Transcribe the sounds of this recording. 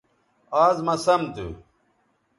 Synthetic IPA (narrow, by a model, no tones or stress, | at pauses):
aːzmɐsɐmd̪ṵ